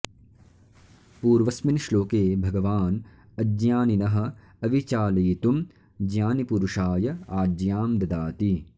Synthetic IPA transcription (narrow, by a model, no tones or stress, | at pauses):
puːɾʋɐsminʃloːkeːbʱɐɡɐʋaːn | ɐd͡ʒjaːninɐɦɐ̆ | ɐʋit͡ʃaːleːt̪um | d͡ʒjaːnipuɾuʂaːjɐaːd͡ʒjaːmd̪ɐd̪aːt̪i